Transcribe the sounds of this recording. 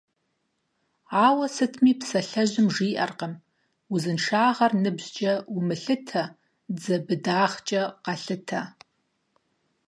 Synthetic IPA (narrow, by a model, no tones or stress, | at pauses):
aːwɐsɨtʰmiːpsɐɬɐʑɪmʐiːʔɐrqɐm | ʊzɨnʂaːʁɐrnɨbzt͡ʃʼɐwʊmɨɬɨtʰɐ | d͡zɐbɨdaːχt͡ʃʼɐqɐɬɨtʰɐ